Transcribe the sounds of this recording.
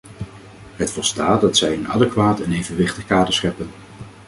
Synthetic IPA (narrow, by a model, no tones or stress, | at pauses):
ɦətfɔlˠstaːdɑtsɛjɪnɑ̰dəkʋaːtənejvənʋɪχtəχkaːdəsχɛpən